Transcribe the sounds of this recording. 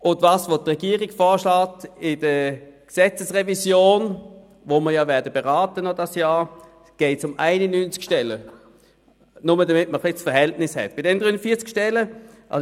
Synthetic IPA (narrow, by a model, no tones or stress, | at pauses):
ʊndvɑːsvotʁɛɡ̥iəʁɪɡ̥fɔːɐʃlaːtɪd̥əksɛt͡səsʁɛvisjoːn | voməɐjaːvɛɐdəbeʁɑːtənodɑsjaː | ɡ̥eɪtsʊmʔa̰ɪnənyːnt͡skʃtɛlə | nʊmədɐmɪt̚məχlisfɐɦɛltnɪshɛ̰tb̥ɪdɛnəd̥ʁyːənfiːɐt͡skʃtɛlə | ʔɑ̰